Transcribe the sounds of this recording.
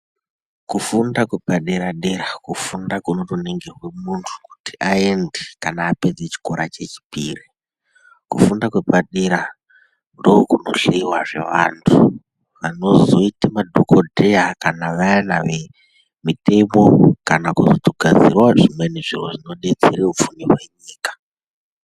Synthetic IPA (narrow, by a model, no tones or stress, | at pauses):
kufundakwepaɗeɾaɗeɾakufundakunotuneŋɡerwe̞muntʰu̥kuti̥ʔae̞ndekanaːpe̞d͡zet͡ʃi̥ko̞ɾat͡ʃe̞t͡ʃi̥piːri | kufundakwe̞paɗeɾa | ndo̞ːkuno̞̰ɬeiwaʐe̞̰ʋa̰ːntʰu | ʋano̞zo̞itamadʱokodʱeakanaʋajanaʋe | mite̞mo̞kanakuzotoɡʱad͡zirwaʐimwe̞neʐiroʐino̞ɗe̞d͡zeɾeup͡funirwe̞ɲiːkḁ